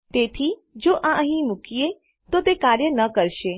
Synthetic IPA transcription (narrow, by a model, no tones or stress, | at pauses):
t̪et̪ʰid͡ʒoʔãəɦĩmʊkie | t̪ot̪ekaɾjənəkəɾʃe